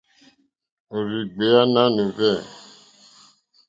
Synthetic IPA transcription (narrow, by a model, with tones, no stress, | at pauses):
o˨ɾi˨ɡ͡be˨˦a˦nã˦no˨vɛ˦˨